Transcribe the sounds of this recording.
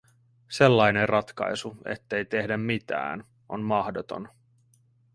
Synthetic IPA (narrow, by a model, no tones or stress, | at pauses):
se̞lːɑjnerrʔɑt̪kɑ̰jsuḛt̪ːe̞jt̪e̞hdæmmit̪æ̰ːn | o̞̰nmɑhdot̪o̞̰n